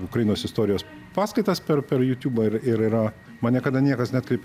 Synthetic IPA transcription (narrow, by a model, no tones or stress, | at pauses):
ʊkɾɐjɪnoːsɪst̪oːɾʲɪjoːs | pɑːskɐɪt̪ɐspʲɛɾpʲɛɾjuːt̪ʲuːbɐɪɾɪɾɪɾɐ | mɐnʲɛkɐd̪ɐnʲiɛkɐsnʲɑt̪kɾʲɛɪpʲ